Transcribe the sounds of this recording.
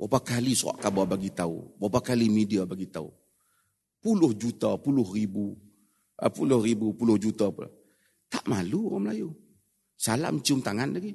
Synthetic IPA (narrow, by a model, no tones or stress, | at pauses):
wapakalisua̰ʔkababaɡit̪aṵwapakalimidiabaɡit̪aṵ | pulʊhd͡ʒut̪apulʊhribu | ʔə̰pulʊhribupulʊhd͡ʒut̪apl̰ | t̪a̰ʔmaluaməlaju | sala̰mt͡ʃiʊmt̪aŋanlaɡi